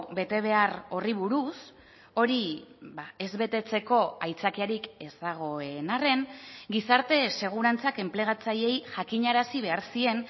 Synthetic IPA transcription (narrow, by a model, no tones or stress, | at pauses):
be̞t̪e̞β̞e̞aro̞riβ̞uɾus | o̞ɾibae̞zβe̞t̪e̞t͡se̞ko̞ajt͡sakiaɾike̞saɣ̞o̞enare̞nɡisaɾt̪e̞se̞ɣ̞uɾant͡sake̞mple̞ɣ̞at͡saje̞jʝakiɲaɾasiβ̞e̞aɾsie̞n